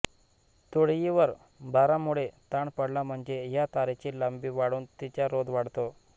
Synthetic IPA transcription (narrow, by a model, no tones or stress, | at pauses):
t̪oɽjiʋəɾ | baɾamuɭet̪aɳpəɽlam̤əɳd͡zejat̪aɾet͡ɕiləmbiʋaɽuːnt̪it͡ɕjaɾod̪ʋaɽt̪o